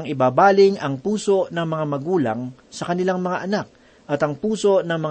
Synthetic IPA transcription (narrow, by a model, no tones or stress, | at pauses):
ŋɪbaːbaːlɪŋɐŋpuːso̞ʔnɐŋmɐŋamɐɡuːlɐŋ | sɐkɐnɪlaŋmɐŋaʔɐnak̚ | ʔɐt̪ɐŋpuːso̞nɐŋmɐŋ